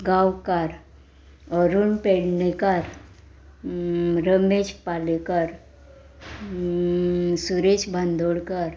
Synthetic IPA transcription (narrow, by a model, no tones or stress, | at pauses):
ɡaːwkaɾ | ɔɾunpeːɽnekaɾ | ɾəmeːd͡ʒpaːlekəɾ | suɾet͡ʃbʱand̪ʱoɽkəɾ